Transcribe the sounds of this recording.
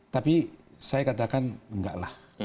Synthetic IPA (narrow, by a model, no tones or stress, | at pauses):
t̪apisajakat̪̬akanəŋɡaʔlah